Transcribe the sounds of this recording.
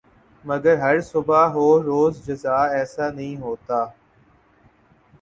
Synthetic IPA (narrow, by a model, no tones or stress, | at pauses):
mɐɡəɾɦɐɾsʊbaːɦoːɾoːzd͡ʒəzaːɛːsaːnɐĩːɦoːt̪aː